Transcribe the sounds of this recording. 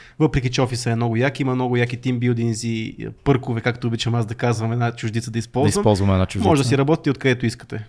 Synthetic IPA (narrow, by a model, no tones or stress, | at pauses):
vɤpɾɛk̬ʲit͡ʃɛɔfisɐɛnɔɡʊjakiimɐmnɔɡʊjakit̪imbilˠd̪inzḭpɤɾkʊvɛkakt̪oːbit͡ʃɐmazd̪ɐkazvɐmɛd̪nat͡ʃʊʒd̪it̪səd̪ɐispɔlˠiszvɐmpɔlˠzvɐmɛd̪nat͡ʃʊʒdmɔʒɛd̪ɐsiɾɐbɔt̪ʲit̪ɛot̪kɐd̪ɛt̪ʊiskə̥t̪ɛ